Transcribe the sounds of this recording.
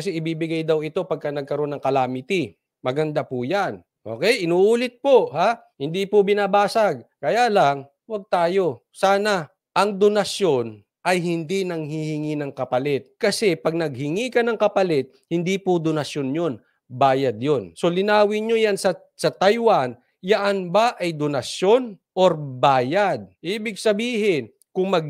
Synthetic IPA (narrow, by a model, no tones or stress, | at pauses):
kɐsɛʔɪbiːbɪɡajd̪ɐwɪt̪o̞pɐɡ̚kanɐɡ̚kɐɾo̞nːɐŋkɐlaːmɪt̪i | mɐɡɐnd̪apʊjan | ʔo̞̰ːkɛjɪnuːʔuːlɪt̪̚pohaː | hɪnd̪ipobɪnaːbaːsaɡ̚kɐjaːlaŋ | wɐɡ̚t̪aːjo̞ | saːna | ʔɐŋd̪onɐsjo̞n | ʔɐjhɪnd̪inɐŋhihɪŋinɐŋkɐpɐlɛt̪̚kɐsɛpɐɡ̚nɐɡ̚hɪŋikɐnɐŋkɐpɐlɛt̪̚hɪnd̪ipod̪onɐʃjonjon | baːjɐd̪̚jo̞nso̞lɪnaːwɪɲojansɐ | sɐt̪ajwan | jɐʔanbaʔɐjd̪onɐʃjonʔoɾbaːjad̪̚ʔiːbɪɡ̚sɐbiːɦɪn | kʊŋmɐɡ̚